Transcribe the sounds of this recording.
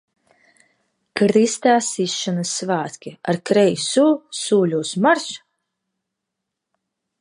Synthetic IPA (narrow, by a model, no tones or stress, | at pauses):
kɾist̪aːsisːɔnɨsːvaːt̪kʲia̰ɾkɾɛjsuːsuːlʲuːsmaɾs